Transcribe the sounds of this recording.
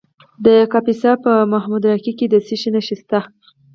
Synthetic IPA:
d̪əkapisɑpəmaɦmud̪ɾakiked̪əsiʃinaʃist̪a

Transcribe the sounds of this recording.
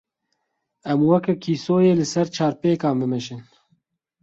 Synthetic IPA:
ɛmwɛkɛkʰiːsoːjeːlɨsɛɾt͡ʃʰɑːɾpeːkɑːmbɨmɛʃɪn

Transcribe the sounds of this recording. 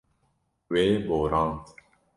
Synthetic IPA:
weːboːɾɑ̃ːnt̪

